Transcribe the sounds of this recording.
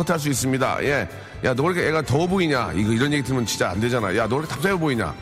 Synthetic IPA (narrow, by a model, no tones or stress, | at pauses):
ʌtʰaɭs̬͈uis͈ɯmɲida̰jʔe̞ | janʌʌɭkeeɡatʌboiɲa̰iɡʌiɾʌnje̞ɡidɯɭmjʌnt͡ɕint͡ɕ͈aa̰nde̞d͡ʑanajo̰janʌɭkʰetap̚t͡ɕ͈aʌboiɲa̰